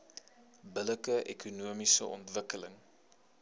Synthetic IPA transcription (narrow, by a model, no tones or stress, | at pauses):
bələkəʔɛ̰kunuəmisə̰ʔɔ̰ntvəkələŋ